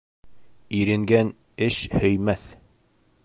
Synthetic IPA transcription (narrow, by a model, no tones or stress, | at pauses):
iɾɘ̆ŋɡæn | ɘʃhɵ̆jmæθ